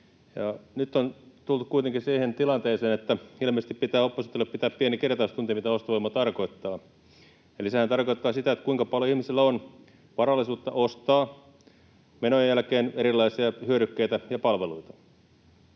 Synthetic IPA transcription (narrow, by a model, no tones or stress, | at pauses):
jɑnyt̪ːont̪ult̪u̥kkuit̪eŋkisiːhent̪ilɑnt̪eːseːnet̪ːæilmeːst̪ippit̪æːopːɑsut̪ːelːeppit̪æːppienikert̪ɑust̪unt̪iɑmit̪æost̪ɑʋoimːɑt̪ɑrko̞it̪ːɑː | elisehænt̪ɑrkoit̪ːɑːsit̪æet̪kuiŋkɑpɑljoihmisilːæon | ʋɑrɑlːisuːt̪ːɑʔost̪ɑː | menojjælkeːneɾilˑːɑisiɑhyøɾykːeit̪æjɑpɑlʋeluit̪ɑ̥